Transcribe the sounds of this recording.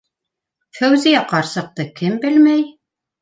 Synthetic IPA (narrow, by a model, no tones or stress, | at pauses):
fæwzijæqɑɾsɤ̆q̚t̪ɤkɘmbɘlmæj